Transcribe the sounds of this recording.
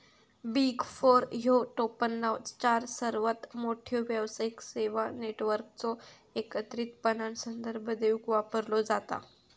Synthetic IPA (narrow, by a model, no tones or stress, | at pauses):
biɡfoɾɦjoʈopənːawt͡st͡ɕaɾsəɾʋət̪moʈʰjoʋjəʋsaikseʋaneʈʋəɾk̚t͡sɔ | ekət̪ɾiːt̪pənansənd̪əɾbʱəd̪eukʋapəɾlɔd͡zat̪a̰